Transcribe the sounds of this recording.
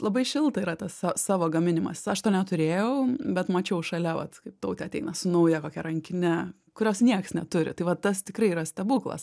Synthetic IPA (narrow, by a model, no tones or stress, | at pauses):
lˠɐbɐɪʃʲɪlˠt̪ɐiɾɐt̪ɐssɑsɑːʋoːɡɐmʲɪnʲɪmɐ̰sɐʃt̪oːnʲɛt̪ʊɾʲeːjɛʊbʲɛt̪mɐt͡ʃʲɛʊʃɐlʲɛʋɐ̰t̪kɐɪp̚t̪ɐʊt̪ʲɛːt̪ʲɛɪnɐsʊnɐʊjɛkoːkʲɛɾɐŋʲkʲɪnʲɛ | kʊɾʲoːsnʲiɛksnʲɛt̪ʊɾʲɪ̰t̪ɐɪʋɐt̪ɐst̪ʲɪkɾɐɪiɾɐsʲt̪ʲɛbuːklˠɐ̰s